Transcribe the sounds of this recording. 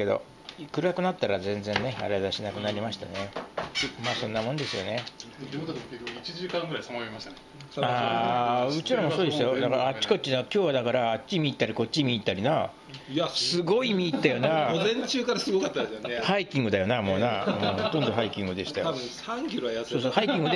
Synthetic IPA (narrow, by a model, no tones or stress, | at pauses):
ed̪o̞̰ | kɯ̟ɾɯakɯ̟nat̪ːaɾazẽ̞nd͡zẽ̞nːe̞a̰ɾad̪aɕinakɯ̟naɾʲimaɕi̥t̪a̰ne | maːsõ̞nːamond̪e̞sɨjo̞̰ne̞ | it͡ɕiʑɨːkãŋɡɯɾaisamaimaɕt̪anaː | ɯ̟t͡ɕiɾomosooːd̪esɨjo̞nakaaat͡ɕːɕi̥ko̞t̚t͡ɕːinakʲo̞ːβad̪akaɾaːt͡ɕt͡ɕːimʲiːt̪ːaɾiko̞t͡ɕt͡ɕːimʲiːt̪ːaɾʲina | ssɨɡo̞imʲiːt̪ːajo̞nazẽɲt͡ɕɨːkaɾasɨɡokat̪ːahaikʲĩŋɡɯ̟d̪ajo̞namo̞ːnaoːhot̪ond̪o̞ɦaikʲĩŋɡɯ̟d̪e̞ɕi̥t̪ajo | ãŋkʲiɾoajaoːsohaikʲĩŋɡɯd̪e